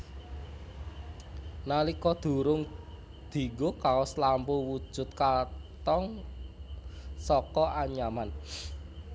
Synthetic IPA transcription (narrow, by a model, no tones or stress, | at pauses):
nalikɔd̪̥ṳɾʊŋ | d̪̥i̤ɡokaoslampuwu̥ʒ̥ʊ̤t̪̚kat̪ɔŋ | sɔkɔʔaɲaman